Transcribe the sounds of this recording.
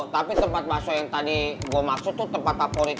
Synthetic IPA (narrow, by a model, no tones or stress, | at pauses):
t̪apit̪əmpat̪̚basojaŋt̪adiɡuəmaksʊt̪ːut̪əmpat̪̚kapoɾi